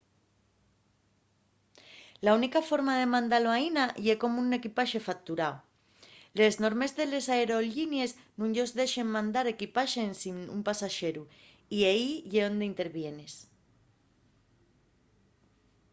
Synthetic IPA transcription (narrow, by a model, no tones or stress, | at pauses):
launikafo̞ɾmað̞e̞mãnd̪aloainajeko̞muune̞kipaʃe̞fak̚t̪uɾao | lezno̞ɾme̞zðe̞le̞saeɾo̞ʎinje̞z | nũŋʎo̞zðe̞ʃe̞ŋmãnd̪aɾe̞kipaʃensinṵmpasaʃe̞ɾu | iaiʝeond̪eint̪e̞ɾβje̞ne̞s